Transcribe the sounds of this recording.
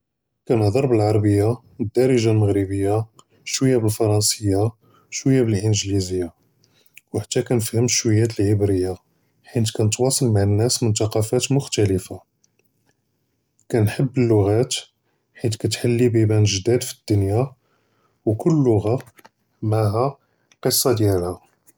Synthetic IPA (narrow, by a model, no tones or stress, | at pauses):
kænd̪ˤɑɾˤbəlʕɑɾˤbəjːa | d̪ːɑɾˤiʒalməɣɾibəjːa | ʃwəjːabəlfɑɾˤɑnsəjːa | ʃwəjːabəlʔənʒlizəjːa | wħat̪ːækænəfhəmʃwəjːæt̪əlʕəbɾəjːa | ħint̪kænət̪wɑsˤɑlmaʕənːæsmʊnt̪ɑqɑfæt̪mʊxt̪æləfa | kænħəbːəlːʊɣæt̪ | ħit̪kæt̪ħalːibibænʒd̪æd̪fi̥d̪ːʊnja | wkʊlːʊɣɑ | maʕɦæ | qəsˤːɑd̪jælhæ